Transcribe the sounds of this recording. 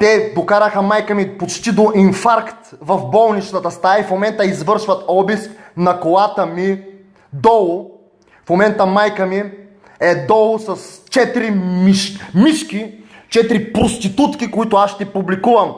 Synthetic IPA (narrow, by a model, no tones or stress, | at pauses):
t̪ɛd̪okaɾɐxəmajkəmipot͡ʃt̪id̪oʔinfaɾkt̪vɐfbɔlˠnit͡ʃt̪ət̪ɐst̪aifmomɛnt̪əizvɤɾʃvɐt̪ɔbisknɐkoat̪əmi | d̪ɔlˠʊ | fmomɛnt̪əmajkəmi | ɛd̪ɔlˠʊsɐst͡ʃɛt̪ɾimiʃmiʃkʲi | t͡ʃɛt̪ɾipɾost̪it̪ut̪kikoit̪ʊasʃt̪ɛpublikuvɐm